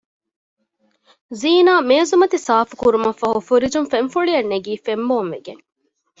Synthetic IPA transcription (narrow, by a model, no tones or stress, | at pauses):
ziːnaːmeːzumɐt̪isaːfu̥kuɾumɐfɐɦufuɾid͡ʒumfeɱfuɭiɐnːeɡiːfemboːmʋeɡeŋ